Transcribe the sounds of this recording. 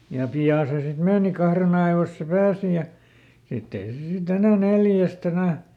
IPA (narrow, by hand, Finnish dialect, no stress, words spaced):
jɑ piɑˑ se sit meːni kɑhren ɑiʋoĭs se pæːsi jɑ sitː ei se sit enæ neljæst enæˑ